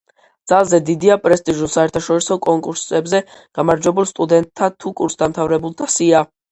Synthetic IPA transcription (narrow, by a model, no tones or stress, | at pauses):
d̪̥z̥alˠzɛd̪id̪iapʼɾɛst̪ʼiʒulˠsaɛɾt̪ʰaʃɔɾisɔkʼɔŋkʼuɾsɛbzɛ | ɡ̥amaɾd͡ʒwɛbulˠst̪ʼud̪ɛnt̪ʰːat̪ʰukʼuɾsd̪amt̪ʰavɾɛbulˠt̪ʰasia